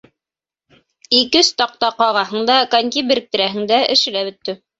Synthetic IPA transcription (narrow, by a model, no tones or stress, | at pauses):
ikɘst̪ɑq̚t̪ɑqɑʁɑɦɤ̆ɴd̪ɑkaŋʲkʲibɘ̆ɾɘ̆k̚t̪ɘ̆ɾæɦɘ̆ŋd̪æʔɘ̰̆ʃɘ̆læbɵ̆t̪ːɘ